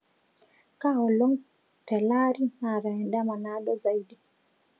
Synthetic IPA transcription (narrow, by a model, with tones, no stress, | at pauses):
ka˦ɔ˨lɔ˦ŋ | tɛ˨la˦ɾinaɾa˨ɛ˨nda˦ma˨na˦ɗɔza˨idi